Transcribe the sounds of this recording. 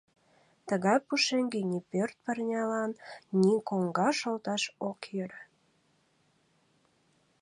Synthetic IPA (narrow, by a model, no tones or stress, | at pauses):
t̪əɣɑjpuʃeŋɡenʲipørt̪̚pərnʲɑlɑnːʲikoŋɡɑʃolt̪ɑʃokjøɾə